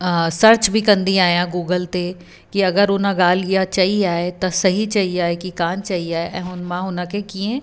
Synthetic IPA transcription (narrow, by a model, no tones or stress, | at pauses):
sɐɾt͡ʃbʱikɐ̃nd̪iaːjãɡuːɡəlt̪e | kiɐɡəɾʊnãɡaːlijat͡ʃaːɦiaːet̪ɐsɐɦit͡ʃaːɦiaːekikaːnt͡ʃaːɦiaːeʔɛ̃ʊnmãɦʊnakekiẽː